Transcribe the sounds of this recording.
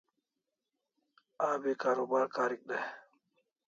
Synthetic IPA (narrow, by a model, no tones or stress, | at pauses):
aːbiːkaːɾuːbaːɾkaːɾik̚ɗɐ